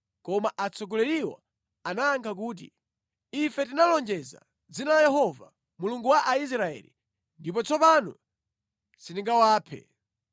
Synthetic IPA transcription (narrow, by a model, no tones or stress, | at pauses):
kɔmaʔat͡sɔɡ̬ɔlɛɾiwɔ̰ | anaːŋkʰak̬uːt̬ḭ | ifɛtinalɔnd͡ʒɛza̰ | d͡zinalajɛɦɔva̰ | muluŋɡuwaʔais̬ɾaɛ̰lḭ | ndip̬ɔt͡sʰɔpanu | siniŋɡawaːpʰɛ̰